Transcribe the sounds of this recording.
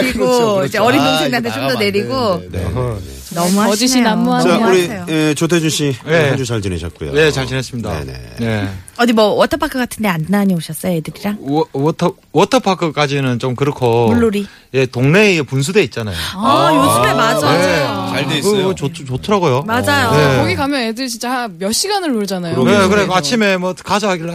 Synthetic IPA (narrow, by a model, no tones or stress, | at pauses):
kɯɾiɡod͡ʑeʌɾidʰoŋʰedantʰet͡ɕomdʌne̞ɾiɡone | nʌmuɦad͡ʑiɕinamːuaauɾieoet͡ɕot̬ʰed͡ʑuɕʰijed͡ʑusʰaɭd͡ʑineɕʰʌ̰t̚k͈ujo̰je̞t͡ɕaɭt͡ɕʰinɦes͈ɯmɲida̰nḛneʌdimwʌwʌtʰʌpʰakʰɯɡatʰɯndeannaɲioɕʰʌs͈ʌjojedɯɾiɾaŋwʌtʰ | wʌtʰɯpʰakʰɯk͈ad͡ʑinɯnt͡ɕomkɯɾʌkʰouɭːoɾi | je̞toŋne̞puns̬ʰude̞it̚t͡ɕ͈ana̰jjod͡ʑumemad͡ʑaet͡ɕaɭdekot͡ɕotʰɯɾaɡojomad͡ʑajonekoɡikamjʌnedɯɾɕit͡ɕaamjʌɕ͈ʰiɡanɯɭmoɾɯd͡ʑanajonekɯɾeat͡ɕʰime̞mwʌkad͡ʑaɦaɡiɭːa